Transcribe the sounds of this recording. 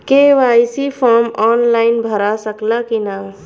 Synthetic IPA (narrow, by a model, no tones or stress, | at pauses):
keʋajsipʰɔɾmɔːnlaɪnbʱəɾasəklakina